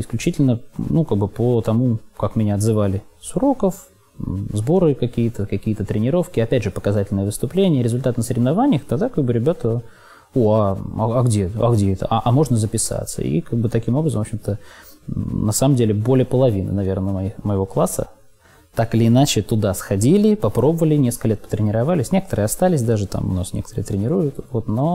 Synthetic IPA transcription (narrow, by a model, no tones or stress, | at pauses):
ɪsklʲʉt͡ɕitʲɪlʲnənukaɡ̚bɨpət̪ɐmukakmʲɪnʲaɐd̪zɨvalʲɪsʊɾo̞kəf | zbo̞ɾɨkɐkʲijət̪əkɐkʲijət̪ət̪ɾʲɪnʲɪɾo̞fkʲɪɐpʲædʲʐɨpə̥kɐzatʲɪlʲnəjəvɨst̪ʊplʲenʲɪjəɾʲɪzʊlʲt̪at̪nəsəɾʲɪvnɐvanʲɪjəxt̪aɡd̪akaɡbɨɾʲɪbʲat̪ə | uaa̰ɐɡdʲet̪əɐɡdʲeɛt̪ə̰ʔaʔamo̞ʐnəzəpʲɪsa̰t̪sə̰ḭkaɡ̚bɨt̪ɐkʲimo̞brəzəmvopɕʲɪmt̪ə | nɐsaməmdʲelʲɪbo̞lʲɪjəpəlˠɐvʲinə̰nɐvʲe̞rnəmɐiməjɪvo̞klˠasːə̰ | t̪akɨlʲɪɪnat͡ɕɪt̪ʊd̪asxɐdʲilʲɪpɐpɾo̞bəvəlʲɪnʲeskəlʲet̪pə̥t̪ɾʲɪnʲɪɾɐvalʲɪsʲnʲekə̥t̪əɾɨəɐst̪alʲɪsʲd̪aʐɨt̪a̰mʊ̰nasnʲekə̥t̪əɾɨ̰ət̪ɾʲɪnʲɪɾujʊt̪vo̞t̪no